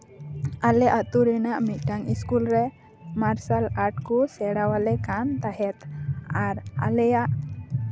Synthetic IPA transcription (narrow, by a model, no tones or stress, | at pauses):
alɛʔat̪uɾɛnaʔmit̪̚ˀʈaŋiskulɾɛ | maɾsalaɾʈkusɛɽawalɛkant̪aɦɛt̪aɾa̰lɛjaʔ